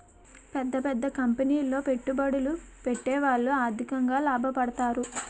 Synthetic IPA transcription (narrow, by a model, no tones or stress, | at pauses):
pɛd̪ːɐpɛd̪ːɐkɐmpɐniːlːo̞ːpe̞ʈːubɐɽulupeʈːe̞ːʋaːɭːuaːɾd̪ʱikɐŋɡaːlaːbʱɐpɐɽɐt̪aːɾu